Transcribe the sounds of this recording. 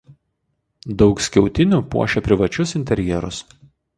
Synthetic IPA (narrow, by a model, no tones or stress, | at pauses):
d̪ɒʊksʲkʲɛʊt̪ʲɪnʲuːpṵɔʃʲɛpʲɾʲɪʋɐt͡ʃʲʊsɪnʲt̪ʲɛɾʲjɛɾʊ̰s